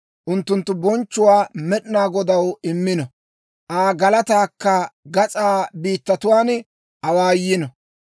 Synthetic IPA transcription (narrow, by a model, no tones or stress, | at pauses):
ʔʊnt̪ːʊnt̪ːʊbɔnt͡ʃːʊwaːmɛɗɪnaːɡɔd̪ɐwɪmːɪnɔ | ʔaːɡɐlɐt̪aːkːɐɡɐt͡sʼaːbiːt̪ːɐt̪ʊwaːn | ʔɐwaːjɪnɔ